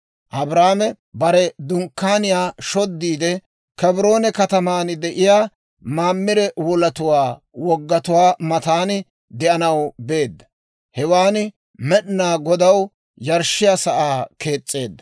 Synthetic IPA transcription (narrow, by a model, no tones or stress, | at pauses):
ʔɐbɾaːmɛ | bɐɾɛd̪ʊŋkːaːnɪjaːʃɔd̪ːiːd̪ɛ | kɛbɾo̞ːnɛkɐt̪ɐmaːnd̪ɛʔɪjaː | maːmːɪɾɛwɔlɐt̪ʊwaː | wɔɡːɐt̪ʊwaːmɐt̪aːn | d̪ɛʔɐnɐwbe̞ːd̪ːɐ | hɛwaːn | mɛɗnaːɡɔd̪ɐw | jɐɾʃːɪjasɐʔaːke̞ːt͡sʼːe̞ːd̪ːɐ